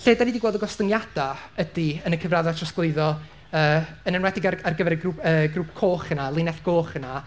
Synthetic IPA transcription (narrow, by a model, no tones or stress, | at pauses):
ɬeːdanidiɡwoːdəɡɔstəŋjad̥aədiənəkʰəvraðatʰrɔsɡlˠɨɨðɔ | əːənənwɛdɪɡararɡəvɛɾəɡuəːɡruːp̚ʰkʰoːχənalˠɪnɛθɡ̥oːχəna